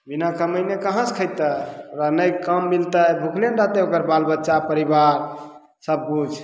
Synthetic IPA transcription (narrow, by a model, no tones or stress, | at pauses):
binakəməjnekəɦə̃skʰəjt̪əɾənəjkəmːilt̪əbʱukʰljənɾat̪eokəɾbalbətːʃapəɾibaɾ | səb̚kud͡ʒ